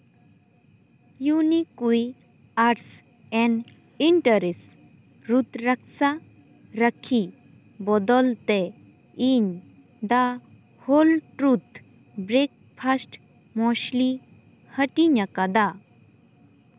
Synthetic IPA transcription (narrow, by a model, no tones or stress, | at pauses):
junikuj | aʈs | ɛn | iɳʈəɾes | ɾut̪ɾək̚sa | ɾəkʰi | bɔd̪ɔlt̪ɛ | iɲ | d̪a | holʈɾut̪ | bɾek̚pʰasʈ | mɔʃli | həʈiɲakad̪a